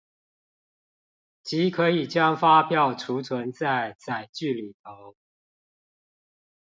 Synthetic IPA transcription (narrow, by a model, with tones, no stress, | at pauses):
t͡ɕi˨˥˦kʰɤ˨˧˦i˨˩t͡ɕjɑ˦ŋfa˦pjɑ˥˩ʊʈ͡ʂʰu˨˦t͡sʰwə˧˦nt͡sa˥˩ɪt͡sa˨˩ɪt͡ɕy˥˨li˨˩t̪ʰo˨˦ʊ